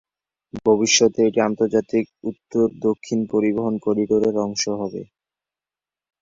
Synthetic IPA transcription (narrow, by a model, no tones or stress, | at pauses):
bʱobiʃːɔt̪eeʈiant̪oɾd͡ʑat̪ikut̪ːoɾd̪okʰːinpoɾiboɦonkoɖiɖoɾeɾɔŋʃoɦɔbḛ